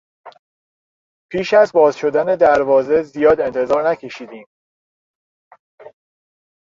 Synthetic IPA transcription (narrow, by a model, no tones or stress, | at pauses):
pʰiːʃæzbɒːzʃo̞d̪æne̞d̪æɾvɒːze̞zijɒːd̪e̞nt̪ʰe̞zɒːɾnæcʰe̞ʃiːd̪iːm